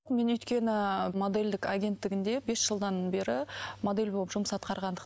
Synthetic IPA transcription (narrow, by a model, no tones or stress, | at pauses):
me̞nʏjt̪kʲe̞nɪmo̞d̪e̞lʲd̪ɪkaɡʲe̞nt̪ːɪɡʲɪnd̪e̞be̞sʒ̥əlˠd̪ɑnbe̞ɾɪmo̞d̪e̞lʲboəpʒʊməsɑt̪qɑɾʁɑnd̪əq